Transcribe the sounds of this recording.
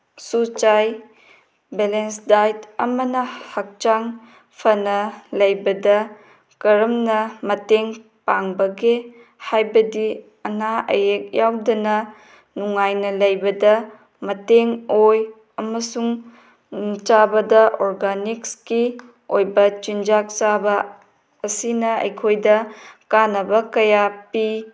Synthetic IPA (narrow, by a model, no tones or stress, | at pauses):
sut͡ʃaj | belensdajtɐmɐnɐhɐk̚t͡ʃaŋ | pʰɐnɐlɐjbɐdɐ | kɐɾɐmnɐmɐteŋ | paŋbɐɡe | hajbɐdi | ɐnaɐ̰jek̚jawdɐnɐ | nuŋajnɐlɐjbɐdɐ | mɐteŋoj | ɐmɐsuŋ | t͡ʃabɐdɐʔoɾɡanikski | ojbɐt͡ʃind͡ʒak̚t͡ʃabɐː | sinɐɐ̰jkʰojdɐkanɐbɐkɐjapi